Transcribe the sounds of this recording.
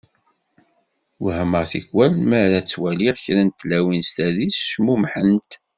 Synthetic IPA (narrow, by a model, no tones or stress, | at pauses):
whəməʁθiçwælməɾæt͡sːwæliʁçɾænt̪ːlæwinst̪æðisʃmumħənt̪